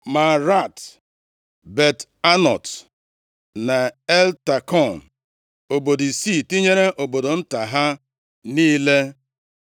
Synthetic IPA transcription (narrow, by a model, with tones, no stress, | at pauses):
ma˨ɾa˦˨t | be˨t | a˦nɔ˨t | na˨e˦lta˨kɔ˦˨n˨ | o˨bo˨di˨si˦˨ti˦ɲe˦ɾe˦ʔo˨bo˨do˨n̩˦ta˨ɦa˦ | niː˦le˦